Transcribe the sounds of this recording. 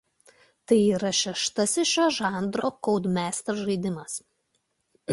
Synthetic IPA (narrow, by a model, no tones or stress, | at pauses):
t̪ɐɪiːɾɐʃʲɛʃt̪ɐsɪʃʲoʒɑˑnd̪ɾoːkɔʊd̪mʲæːst̪ɐʒɐɪd̪ʲɪmɐs